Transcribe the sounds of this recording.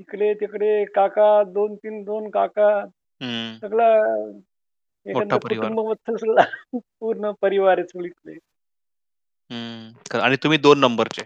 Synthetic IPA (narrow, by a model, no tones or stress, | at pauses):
t̪ikɽet̪ekɽekakad̪ont̪iːnd̪onkaka | ɦsəɡla | ekənumbəbət̪ʰːəlsəɡlapuɾɳəpəɾiʋaɾet͡sʰoɭit̪le | ɦəkəaɽ̃it̪um̤iːd̪onːəmbəɾt͡ɕe